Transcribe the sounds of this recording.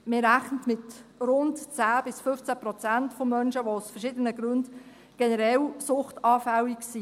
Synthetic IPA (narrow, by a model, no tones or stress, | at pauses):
mɪːɾæχnətmɪtrʊntt͡sæːb̥ɪsfʏft͡sæpɾɔt͡sæntfomœnʃəʋosfɛrʃɪːdənəɡɾʉnd | ɡ̥enəɾɛlsʊχtɑːfæwiksi